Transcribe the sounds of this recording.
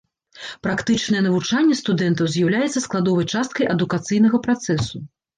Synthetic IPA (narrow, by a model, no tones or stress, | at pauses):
pɾakt̪ɨt͡ʂnɐjɛnɐvut͡ʂanʲːɛst̪ud̪ɛnt̪ɐwzʲjawlʲajɛt̪sːɐsklˠad̪ɔvɐjt͡ʂast̪̚kɐjʔɐd̪ukat̪sɨjn̪ɐɣɐpɾat̪sɛsu